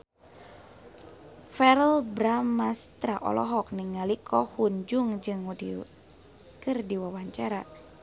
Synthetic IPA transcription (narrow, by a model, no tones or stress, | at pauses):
fɛɾəlbɾamːast̪ɾaʔɔ̰lɔ̰ɦɔk̚niŋalikʰɔhuɲd͡ʒuŋd͡ʒɨŋdi | kɨrdiwawaɲt͡ʃaɾa